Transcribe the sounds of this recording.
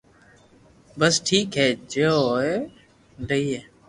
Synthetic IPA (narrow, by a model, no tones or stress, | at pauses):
bəsʈʰiːkɦeːd͡ʒeoe | ɖʱəiːɦeː